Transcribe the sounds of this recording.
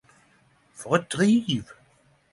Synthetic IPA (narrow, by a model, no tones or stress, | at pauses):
fɔʁɛt̚d̪̥ʁiv